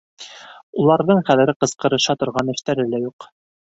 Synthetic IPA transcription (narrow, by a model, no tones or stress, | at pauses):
ulˠɑɾðɤɴχæðɘ̆ɾɘqɤ̆sqɤ̆ɾɤ̆ʃɑt̪ŏɾʁɑnɘ̆ʃt̪æɾɘlæjuq